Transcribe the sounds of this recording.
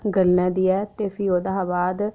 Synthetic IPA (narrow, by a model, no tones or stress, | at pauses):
ɡəlnɛ̃ːd̪iːɛːt̪eːpʰiːoːd̪aɦabaːd̪